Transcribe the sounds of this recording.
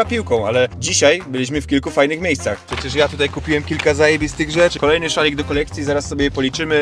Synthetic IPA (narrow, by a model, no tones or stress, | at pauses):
apʲiwkɔ̃w̃a̰lɛd͡ʑiɕajbɘlʲiɕ̬mɘfkʲilkufajnɘxmʲejst̪saxpʂɛt͡ɕɛʂjat̪ut̪ajkupʲiwɛmkʲilkazajebʲist̪ɘɣʐɛt͡ʂkɔlɛjnɘʂalʲiɡ̚d̪ɔkɔlɛk̚t̪sʲjizaɾasːɔbʲɛjɛpɔlʲit͡ʂɘmɘ